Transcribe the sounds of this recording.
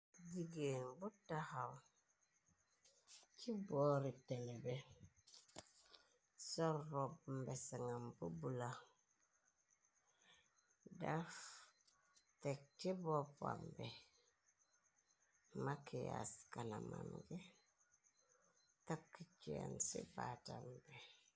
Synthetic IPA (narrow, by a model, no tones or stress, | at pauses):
ɟiɡenbutahaw | ciboːɾiteŋebe | soɾːobmbesaŋambubula | daf | tek̚tibopa̰mbɛ | makija̰skanama̰mɡe | tap̚kit͡ʃia̰nsḭbatambe